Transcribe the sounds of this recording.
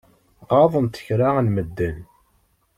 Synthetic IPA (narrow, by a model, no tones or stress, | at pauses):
qɑðˤənt̪ə̥çɾaʁənməd̪ːəl